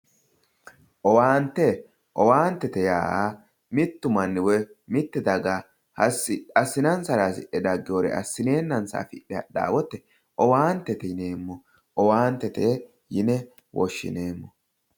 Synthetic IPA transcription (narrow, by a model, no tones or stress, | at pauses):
ʔɔwaːnt̪ːɛ | ʔɔwaːnt̪ːɛt̪ɛja̰ːʔaː | mɪt̪ːʊmɐnːɪwɛmɪt̪ːɛd̪ɐɡa | hɐsɐsːɪnɐnsɐɾaːsɪʔɛd̪ɐɡːɪjoːɾɛ̰ɐ̰sːɪne̞ːnːɐnsa̰ːfɪɗːɛɐ̰ɗa̰ːwɔt̪ːɛ | ʔɔwaːnt̪ːɛt̪ɛne̞ːmːɔ | ʔɔwaːnt̪ːɛt̪ɛ | jɪnɛ | wʔɔ̰ʃːɪ̰neːmːɔ